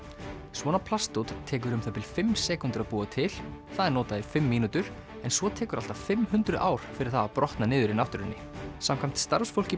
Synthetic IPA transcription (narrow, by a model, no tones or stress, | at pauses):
svɔnapʰlast̪owt̪t̪ʰːɛːk̬ʏɾʏmθat̪ʰɪlfɪmsɛkunt̪ʏɾaðpuːat̪ʰɪlθaðɛɾnɔːt̪aðɪfɪmːiːnut̪ʏɾ̥ | ɛnsvɔt̪ʰɛːkʏɾa̰l̥t̪ḁfɪmhʏnt̪ɾʏʔaːwɾ̥fɪɾɪ̥θaðapɾɔht̪nanɪːðʏɾinaft̪ʏɾɪnːɪ | samkʰam̥t̪st̪aɾsfowl̥cɪ